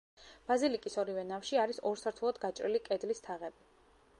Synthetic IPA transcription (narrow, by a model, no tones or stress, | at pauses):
b̥azilikʼisɔɾivɛnafʃiaɾisɔɾsaɾt̪ʰulˠad̪ɡat͡ʃʼɾḭlikʼɛd̪list̪ʰaʁɛbi